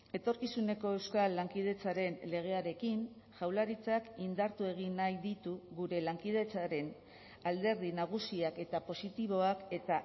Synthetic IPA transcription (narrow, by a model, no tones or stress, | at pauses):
e̞t̪o̞ɾkisune̞ko̞e̞wskalːaŋkið̞e̞t͡saɾe̞nle̞ɣ̞e̞aɾe̞kin | ʝawlaɾit͡sakind̪aɾt̪ue̞ɣ̞inːajd̪it̪uɣuɾe̞laŋkið̞e̞t͡saɾe̞n | ald̪e̞ɾðinaɣ̞usiake̞t̪apo̞sit̪iβ̞o̞ake̞t̪a